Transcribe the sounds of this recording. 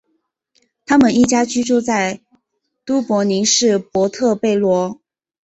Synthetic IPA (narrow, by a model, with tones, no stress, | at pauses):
t̪ʰa˥mə˨ni˥˩t͡ɕja˥t͡ɕy˥ʈ͡ʂu˥˧t͡sa˥˩ɪ | t̪u˥pwɔ˧˥ni˧˥ŋʂɻ̩˥˩pwɔ˧˥t̪ʰɤ˥˧pe˥˩ɪlwɔ˧˥